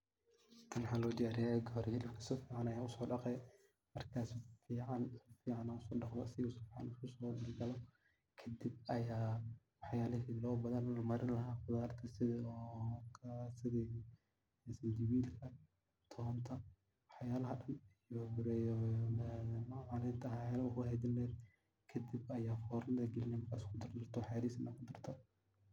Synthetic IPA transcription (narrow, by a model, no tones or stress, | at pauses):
t̪ʰɐnwħaːlɔːd̪aːɾɪjaɡɔɦɔɾhɪlɪbkʰɐsɔfiːʕanɐjaːʊsɔːɖɑqɛj | mɐrkʰaːsfiːʕɑnfiːʕanaːʊsɔːɖɑqdɔsɪɣʊsɔːfiːʕa̰nɪskʰʊsɔːd̪ɪlɡɐlɔ | kʰɐd̪ɪb̚ɐjaː | wɑħjaːlɐɦiːlɔːbɐðɐnmɐɾɪnlɐɦaːfʊðaːrt̪ʰɐsɪðɐɔːkʰɐsɪði | ɛsɐnd͡ʒɪβiːd̪kʰɐ | t̪ʰɔːnt̪ʰɐ | wɑħjaːlɐɦɐɗɐnɪjɔbʊɾɛːjɔɛmaaːlɪnt̪ʰɐhɛlɐʊkʊhɛd̪ɪnlɛːd̪ | kʰɐd̪ɪbɐjaːfɔːɾɐnd̪ɐɡɛlɪnɛmɐrkʰa̰ːskʰʊd̪ɐrd̪ɐrt̪ʰɔħɛːɾiːsɪnɐkʰʊd̪ɐrt̪ʰɔ